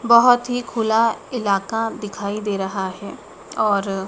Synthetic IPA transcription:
bɔɦɔt̪ɦikʰʊlaɪlaːkad̪ɪkʰaːid̪eːɾɐɦaɦɛ | ɔːɾ

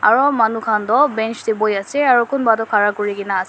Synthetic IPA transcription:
a̰ɹɔmanukʰandɔbɛnt͡ʃdibɔjasɛaɹukʊnbatɔkʰaɹakʊɹikinaːs

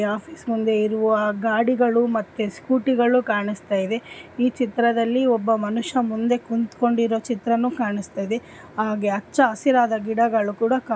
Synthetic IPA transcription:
aːpʰiːsmund̪e̞iɾuʋuʋɐɡaːɽiɡɐɭumɐt̪ːeskuːʈiɡɐɭukaːɳist̪aːjid̪e̞iːt͡ʃit̪ɾɐd̪ɐlːiɔbːɐmɐnuʂɐmund̪e̞kunt̪ko̞ɳɖiɾo̞ːt͡ʃit̪ɾɐnukaːɳist̪aːjid̪e̞ | aːɡeɐt͡ʃːɐːsiɾaːd̪ɐɡiɽɐɡɐɭukuːɽɐkaː

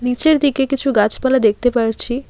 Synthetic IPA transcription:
nit͡ʃeɾd̪ikekit͡ʃʰuɡat͡ʃpalad̪ek̚ʰt̪epəɽt͡ʃʰi

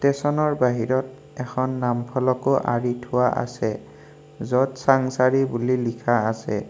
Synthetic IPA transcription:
tɛsɔnɔɹbaɦiɹɔt̚ | ɛxʰɔnːampʰɔlɔkoʔa̰ɹitʰʊwaʔa̰sɛ | zɔtsaŋsaɹibulilikʰaːsɛ̰

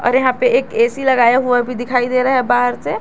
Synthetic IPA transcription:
ɔ̰ːɾjɐɦãpeʔeːkeːsilɐɡaːjaɦuabʱid̪ɪkʰaːid̪eːɾaɦɛbaːɦəɾse

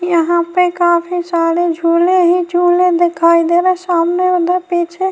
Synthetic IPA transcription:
kijəɦãpekaːpʰisaːɾed͡ʒʱuːleɦid͡ʒʱuːled̪ekʰaːid̪eɾasaːmneəd̪ʱapit͡ʃʰe

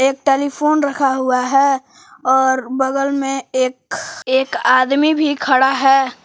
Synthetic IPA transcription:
eːk̚ʈeːlipʰoːnɾɐkʰaɦʊaɦɛː | ɔːɾbɐɡəlmẽeːkeːkaːd̪mibʱikʰɐɽaɦɛː

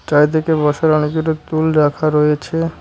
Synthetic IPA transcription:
t͡ʃajt̪̬ʰekebɔʃaɾɔnekuɾot̪ulɾakʰaɾojet͡ɕʰe

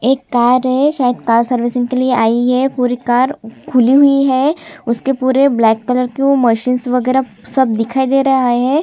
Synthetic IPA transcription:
eːkːaːɾɦɛʃaːjəd̪kaːɾsɐɾʋɪsɪ̃ŋkelieʔaːiɦɛpuːɾikaːɾkʰʊliɦʊiɦɛːʊskepuːɾeblɛːkːɐləɾkeomɐʃiːnsʋɐɡɛːɾa | sɐb̚d̪ɪkʰaːid̪eːɾɐaeɦɛ̃ː

